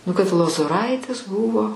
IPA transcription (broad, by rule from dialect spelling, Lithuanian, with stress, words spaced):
nʊ kɐt lˠoːzoːˈrɐɪtʲɪs ˈbuːʋoː